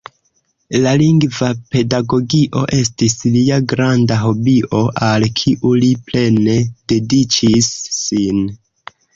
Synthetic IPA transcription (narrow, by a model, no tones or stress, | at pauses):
laliŋɡvape̞daɡo̞ɡiʔo̞̰ʔe̞stisliaɡɾandaɦo̞biʔo̞ʔalkʰiʔuliple̞ne̞d̥e̞dit͡ʃisːin